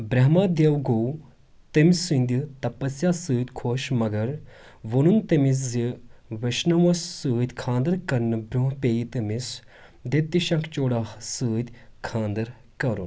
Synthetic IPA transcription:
bɾɐɦmaːd̪ewɡoːw | t̪ɐmʲsɨnd̪it̪ɐpɐsjaːsɨːt̪ʲkʰoːʃmɐɡɐɾ | ʋonunt̪ɐmis̬ziʋɐʃnɐʋɐsːɨːd̪ʲkʰãːnd̪ɐɾkɐɾnɨbɾuɦpʲeːjit̪ɐmis | d̪et̪ːiʃɐ̃kʰt͡ʃoːɽaːsɨːd̪ʲkʰãːnd̪ɐɾ | kɐɾṵn

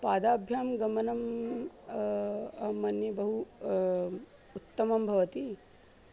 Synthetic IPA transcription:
paːd̪aːbʱjaːmɡɐmɐnɐm | ɐmɐnjɐbɐɦu | ut̪ːɐmɐmbʱɐʋɐt̪i

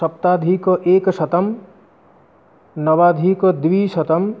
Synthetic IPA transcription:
sɐp̚t̪aːd̪ʱikʔeːksɐt̪ɐm | nɐʋaːd̪ʱikd̪ʋisɐt̪əm

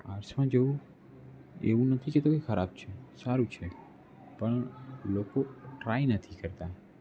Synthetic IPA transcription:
a̰ɾsmãd͡ʒəũ | ḛʋũnət̪ʰiket̪okekʰəɾab̚t͡ʃʰesaɾũt͡ʃʰe | pəɳlokoʈɾainət̪ʰikəɾt̪a

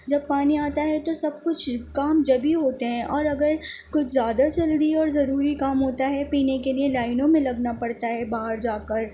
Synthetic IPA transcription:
d͡ʒɐbpaːniaːt̪aɦɛt̪osɐb̚kʊt͡ʃʰkaːmd͡ʒɐbiɦoːt̪eɦɛ̃ʔɔːɾɐɡəɾkʊt͡ʃʰzjaːd̪at͡ʃɐld̪iɔːɾzɐɾuːɾikaːmɦoːt̪aɦɛpiːnekelielaːɪnõmẽlɐɡnapɐɽt̪aɦɛbaːɦəɾd͡ʒaːkəɾ

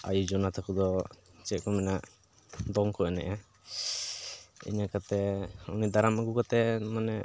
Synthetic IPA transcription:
a̰jud͡ʒɔnat̪ʰakud̪ɔt͡ʃɛʔ̚kɔmɛnaʔ | d̪ɔŋkɔɛnɛ̰ʔa | ḭɲakat̪ɛṵnid̪aɾamaɡukat̪ɛmanɛ

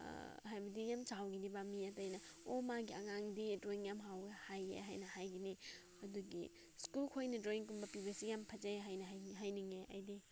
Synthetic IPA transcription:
ɦajbɐdijamt͡ʃawɡinibamiatɐjnɐomaɡiɐŋaŋdidɾoiŋjamɦawɡehajḛɦajnɐhajɡini | ɐduɡḭ | skulkʰojnɐdɾoiŋkumbɐpibɐsijampʰɐzaɦajnɐɦɦajniŋeʔɐjdi

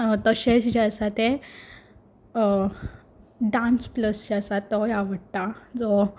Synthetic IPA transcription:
t̪əɕesd͡ʑasat̪e | ɖãnspləsd͡ʑasat̪ːɔjaʋəɽt̪ad͡zɔ

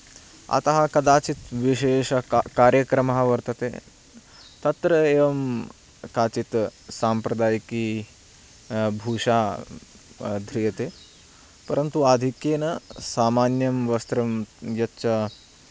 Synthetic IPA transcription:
ɐ̰t̪ɐɦɐkɐd̪aːt͡ʃit̪ʋiʃeːʃɐkaːɾjɐkɾɐmɐɦɐʋɐɾt̪ɐt̪ḛː | t̪ɐt̪ɾɐeːʋɐm | kaːt͡ʃit̪saːmpɾɐd̪aːjki | bʱuːʃaː | d̪ʱɾijɐt̪eː | pɐɾɐnt̪uad̪ʱikjeːnɐsaːmaːnjɐmʋɐst̪ɾɐmjɐtːɐ

